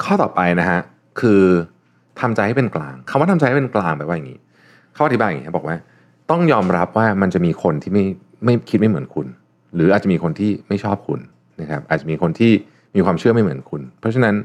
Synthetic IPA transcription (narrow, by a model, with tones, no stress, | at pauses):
kʰɔː˥˩t̪ɔː˨˩pa˧jna˦˥kʰa˦˥ | kʰɯː˧ | t̪ʰa˧mt͡ɕa˧jha˥˩pe˧nklaː˧ŋkʰa˧mwaː˥˩t̪ʰmt͡ɕa˧jha˥˩pe˧nklaː˧ŋbɛ˧˨˩waː˥˩ja˨˩ŋiː˦˥ | kʰa˦˥˩ʔa˨˩i˦˥aː˧ja˨iː˦˥a˦˥bɔ˨˩kwaː˥˩ | t̪ɔ˥˩ŋjɔː˧mɾa˦˥p̚waː˥˩ma˧nt͡ɕa˨˩ʔmiː˧kʰo˧nt̪ʰiː˥˩ma˥˩j | ma˥˩jkʰi˦˥t̪̚ma˥˩jmɯ˩˦ənkʰu˧n | ɾɯː˩˦aː˨˩t̪̚t͡ɕa˨miː˧kʰo˧nt̪ʰiː˥˩ma˥˩jt͡ɕʰɔː˥˩p̚kʰṵ˧n | na˦˥kʰa˦˥p̚ʔaː˨˩t͡ɕa˨˩miː˧kʰo˧nt̪ʰiː˥˩ | miː˧kʰwaː˧mt͡ɕʰɯ˥˩ɐma˥˩mɯ˩˦ənkʰu˧npʰɾɔ˦˥t͡ɕʰa˧na˦˥n